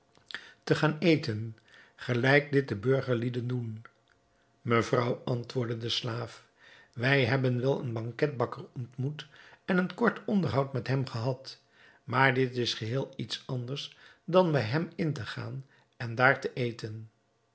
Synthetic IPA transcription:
təχaːnejtən | χəlɛjk̚dɪt̚dəbɵɹχəɹlidəndun | məvrɑwɑntʋʊːɹdədəslaːf | ʋɛjɦɛbənʋɛlˠə̰nbɑŋkɛt̚bɑkərɔntmutɛnənkɔɹtɔndəɹɦɑwtmɛtɦɛmχəɦɑt | maːɹdɪtɪsχəɦɪːlˠitsɑndəɹs | dɑnbɛjɦɛmɪntəχa̰ːn | ɛndaːɹtəʔejtən

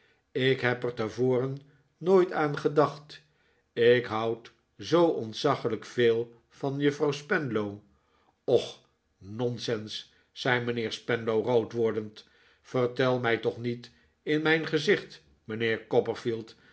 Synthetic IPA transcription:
ɪkɦɛpɛɹtɛɹvoːrənː | ojtaːnχədɑχt | ɪkɦʌwt | zowʔɔntsɑχələkfɪːlˠ | v̥ɑnjɵfrɔwspɛndlow | ɔχ | nɔnsɛnsː | ɛjmənɪːɹspɛnlowrowtʋɔɹdənt | fəɹtɛlˠmɛjtɔχnit | ɪnmɛjnχəzɪχt | mənɪːɹkɔpəɹfilˠt

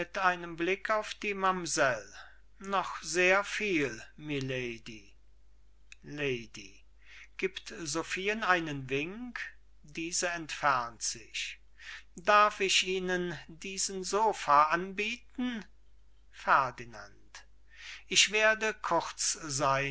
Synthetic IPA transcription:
mɪtʔaɪnəmblɪkʰaʊfd̥iːmamzɛl | nɔχz̥eːɐfiːlmileɪdi | leɪdi | ɡ̥iːptzofiːənaɪnənvɪŋk | d̥iːzəɛntfɛɐntz̥ɪç | daɐfɪʃʔiːnəndiːzənzoːfaʔanbiːtn̩ | fɛɐdina̰nt | ʔɪʃv̥eːɐdəkʰʊʁt͡szaɪ

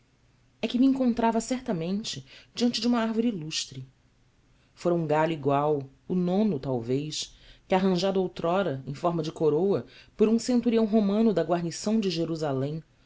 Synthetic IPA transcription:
ɛkɪmiẽŋkõnt̪ɾavɐsɛɾt̪ɐmẽnt͡ʃɪd͡ʒiɐ̃nt͡ʃɪd͡ʒũmɐaɾvoɾiiluʃt̪ɾɪ | foɾɐũŋɡaʎuiɡwaw | ʊnõnʊt̪awvejʃkɪaɦɐ̃ʒad̪owt̪ɾɔɾɐḛ̃j̃fɔɾmɐd͡ʒɪkoɾowɐpoɾũsẽnt̪uɾiɐ̃w̃ɦomɐ̃nʊd̪ɐɡwaɾnisɐ̃w̃d͡ʒɪʒeɾuzalẽj̃

